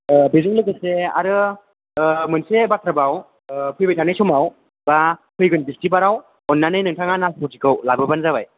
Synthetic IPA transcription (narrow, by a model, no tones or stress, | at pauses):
bezuŋlɯɡɯsea̰ɾɯ | mɯnsebat̪ʰɾabaw | pʰɯjbajtʰanajsʰɔmaw | bapʰɯjɡɯnbistibaɾaw | ɔnːanɯjnɯŋtʰaŋanaspʰɔtikɯwlabɯbanzabaj